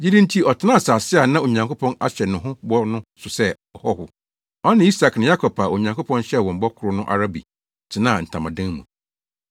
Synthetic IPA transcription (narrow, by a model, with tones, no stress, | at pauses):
d͡ʑi˦dɪ̃˦n̩˦tʰi˦ɔ˨tʰɪ˦nã˦˨saː˨sɪ˦a˨nã˦o˨ɲã˨ŋko˦pʰɔ̃˦na̰˦ɕɛ˨nʊ̃˨ɦʊ̃˦bɔ˦nʊ̃˦sʊ˨sɛ˦˨ | ɔ˨hɔ˦hʊ˨ | ɔ˦nɪ̃˦i˦sa˨knɪ̃˨ja˦kʰɔ˨pʰa˨o˨ɲã˨ŋkʊ˦pʰɔ̃˦n˦ɕɛ˦˨wɔ̃˨m̩˨bɔ˦kʰʊ˨ɾʊ˦nʊ̃˦ʔa̰˨ɾa˦bḭ˨ | tʰɪ˨nã˦˨n̩˨tʰã˨mã˨dɪ̃˦ŋmṵ̃˨